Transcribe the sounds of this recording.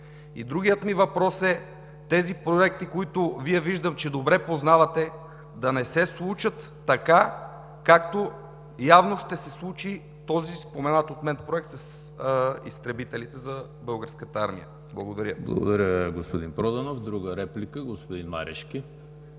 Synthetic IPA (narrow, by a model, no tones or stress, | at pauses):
ḭd̪ɾuɡijət̪mivɐpɾɔsɛ | t̪ɛzipɾoɛk̚t̪ikoit̪ʊviɛviʒd̪əmt͡ʃɛd̪obɾɛpoznavɐt̪ɛ | d̪ɐnɛsɛslˠut͡ʃət̪ːɐka | kak̚t̪o | javnoʃt̪ɛsɛslˠut͡ʃi | t̪ɔzispomɛnat̪ot̪mɛnpɾoɛk̚t̪sɐs | ḭst̪ɾɛbit̪ɛlit̪ɛzɐ | bɤlˠɡəɾskət̪əaɾmḭjə̰ | blˠɐɡod̪ɐɾʲjəblˠɐ̰ɡo̰d̪ɐɾʲjəɡospod̪inpɾɔd̪ɐnofd̪ɾuɡəɾɛplikəɡospod̪inma̰ɾʔɛ̰ʃkʲi